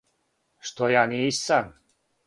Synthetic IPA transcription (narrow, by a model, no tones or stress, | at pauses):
ʃt̪ojaniːsam